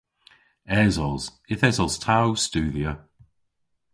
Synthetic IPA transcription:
ɛzɔz | ɪθɛzɔlˠz̥tʰawstʉːðiə

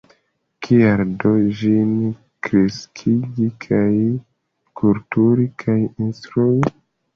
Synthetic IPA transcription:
kʰiaɾdod͡ʒin | kɾeskʰiɡikʰaj | kʰultuɾikʰajinstɾui

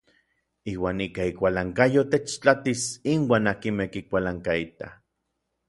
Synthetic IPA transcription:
iːwaːnikaikʷalaŋkajot̪et͡ʃt͡ɬat̪isinwaːnakimehkikʷalaŋkait̪a̰

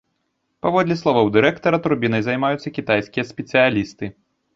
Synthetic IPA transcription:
pavɔd̪lʲislˠɔvɐwd̪ɨɾɛkt̪ɐɾɐt̪uɾbʲinɐjzajmajut̪sːɐkʲit̪ajsʲkʲijɐsʲpʲɛsɨjalʲist̪ɨ

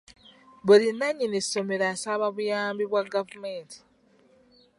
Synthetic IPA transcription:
βulinːaɲinesso̞me̞ɾaːsaβaβujaːmbiβwaɡavumeːntʰi̥

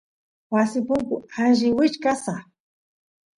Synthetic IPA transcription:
wasɪpʊŋkʊanʒɪwɪt͡ʃkasa

